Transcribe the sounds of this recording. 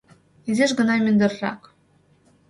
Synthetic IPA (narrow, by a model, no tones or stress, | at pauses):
ezʲeʃɡɤ̆nɑmʲynd̪ɘ̆ɾrɑ̰k